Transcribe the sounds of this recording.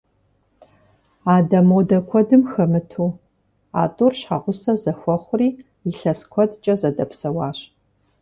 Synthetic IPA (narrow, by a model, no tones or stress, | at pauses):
aːdɐmɐwdɐkʷʰɔdɨmxɐmɨtʰuː | a̰ːtʼurɕħaːʁʷʊsɐzɐxʷɔχʷʊriː | jɪɬɐskʷʰɔdt͡ʃʼɐzɐdɐpsɐwaːɕ